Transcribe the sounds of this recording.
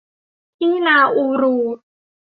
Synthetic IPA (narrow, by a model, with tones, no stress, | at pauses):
ʔiː˥˩˨naː˧ʔu˧ɾuː˧